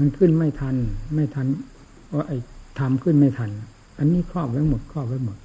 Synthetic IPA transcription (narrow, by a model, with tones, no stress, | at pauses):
ma˧nkʰɯ˥˩˨nma˧˥˩jt̪ʰa˧nma˧˥˩jt̪ʰa˧˥˨n | ɔ˧ʔa˧˩jt̪ʰa˧mkʰɯ˧˥˩nma˧˥˩jt̪ʰa˧n | ʔa˧nːiː˧˥˨kʰɔː˥˩˨p̚ʋa˧˥˨mo˨˦t̪̚kʰɔː˥˩p̚ʋa˧˥˦mo˨˦t̪̚